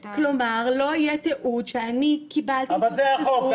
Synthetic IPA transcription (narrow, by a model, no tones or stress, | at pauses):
klomaʁlo̞ijet̪eʔudʃeanikibalt̪avalzejaχol